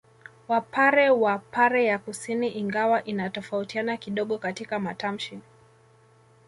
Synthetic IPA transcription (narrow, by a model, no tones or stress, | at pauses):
wapaɾɛwapaɾɛjakusiniʔiŋɡawaʔinatɔfautianakiɗɔɠɔkatikamatam̩ʃi